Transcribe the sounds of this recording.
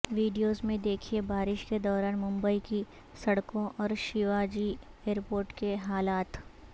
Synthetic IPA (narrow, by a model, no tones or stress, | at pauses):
ʋiːɖijoːzmẽd̪eːkʰiebaːɾɪʃked̪ɔːɾaːnmʊ̃mbəiki | sɐɽkõʔɔːɾʃɪʋaːd͡ʒi | eːɾpoːɾʈkeɦaːlaːt̪